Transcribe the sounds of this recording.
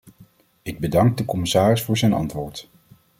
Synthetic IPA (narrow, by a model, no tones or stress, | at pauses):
ɪɡ̚bədɑŋɡ̚dəkɔmɪsaːrɪsfʊːɹzɛjnɑ̰ntʋʊːɹt